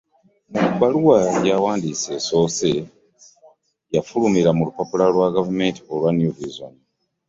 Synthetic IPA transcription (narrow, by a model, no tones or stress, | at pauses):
muubaluwajawaːndise̞so̞ːse | jafulumiɾamulupapulalwaɡavume̞ːnti̥olwanjuvizon